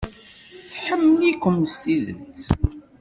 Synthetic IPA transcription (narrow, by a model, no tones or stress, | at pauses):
θħəmːəlikʷəməst̪iðə̰t͡sː